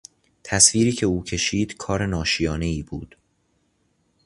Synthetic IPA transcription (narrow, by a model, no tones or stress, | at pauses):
t̪ʰæsviːɾiːcʰe̞uːcʰe̞ʃiːd̪̥kʰɒːɾe̞nɒːʃijɒːne̞iːbuːd̪̥